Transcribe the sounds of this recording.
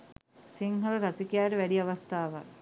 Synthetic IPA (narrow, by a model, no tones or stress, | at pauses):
siŋɦɐlɐɾasikijaːɾəʋæɖiaʋast̪aːʋɐ̰